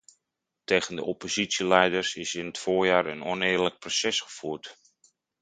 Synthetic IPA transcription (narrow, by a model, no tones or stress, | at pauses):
tejɣəndəʔɔpozitsjilɛjdəɹsɪsɪnətfoːɹjaːɹə̰nɔnɪːɹlək̚prosɛsχə̥fuːɹt